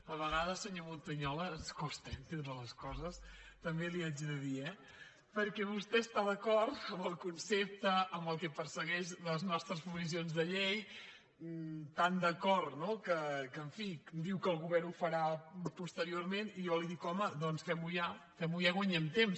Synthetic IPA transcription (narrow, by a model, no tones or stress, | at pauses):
əβəɣaðəsəɲomunt̪əɲɔləːnskost̪ɛmt̪end̪ələskɔzəst̪əmbeliad͡ʒðəðiɛ | pəɾkɛβust̪ɛst̪aðəkɔɾt̪əmbəlˠkunsep̚t̪əːmbəlˠkɛpəɾsəɣɛʃləznɔst̪ɾəspuzis̬ionzðəʎej | t̪and̪əkɔɾt̪nokəkəːɱfid̪iwkəːlˠɣuβɛɾnufəɾapust̪əɾioɾmenijɔliðikɔməðɔnsfɛmujafɛmujaɣwəɲɛmt̪ems